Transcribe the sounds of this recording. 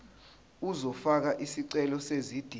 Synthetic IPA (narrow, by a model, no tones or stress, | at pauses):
uzɔfak̬aʔisiǀɛlɔsezid̥ʱi